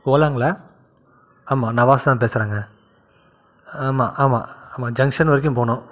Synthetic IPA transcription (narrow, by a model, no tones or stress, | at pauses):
oːlaːŋɡɐɭaː | aːmaːnɐʋaːst̪ãːp̬eːsɪɾaːŋɡɐ | aːmaːʔaːma̰ːaːmaːd͡ʒɐŋʂɐnʋɐɾɪk̬ʲːʊ̃mpoːɳõː